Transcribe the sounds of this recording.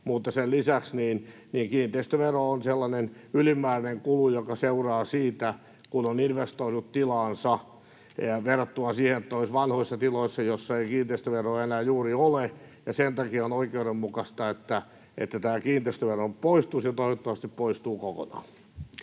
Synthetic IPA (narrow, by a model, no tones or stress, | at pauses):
mut̪ːɑsellisæksniːn | niːŋkiːnt̪eist̪øʋeroonselːɑnenylimːˑæːrineŋkulujokɑseurɑːsiːt̪æ | kunoninʋest̪oinut̪t̪ilɑːnsɑ | ʋerːɑt̪ːuɑsiːhenet̪ːæoisʋɑnhoisːɑt̪iloisːɑjosːɑeikiːnt̪eist̪øʋeroːenæːjuːriole | jɑsent̪ɑkionoikeuɾemmukɑst̪ɑet̪ːæ | ḛt̪ːæt̪æːkiːnt̪eist̪øʋerompoist̪usjɑt̪oiʋot̪ːɑʋɑst̪ippoist̪uːkoko̰nɑ̰ː